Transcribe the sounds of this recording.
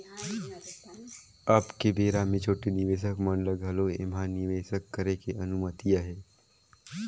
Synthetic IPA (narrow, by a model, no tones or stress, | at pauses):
ɐbkebeːɾamẽt͡ʃʰoːʈenɪʋeːʃ̬əkmənləɡʱəloɪ̰manɪʋeːʃəkːəɾekeɐnumət̪ijaɦɛː